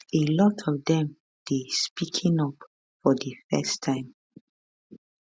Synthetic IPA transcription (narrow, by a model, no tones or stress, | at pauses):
elɔtʰɔvdɛ̃m | d̥espikʰĩŋɔp | fɔðəfɛstʰãɪ̃m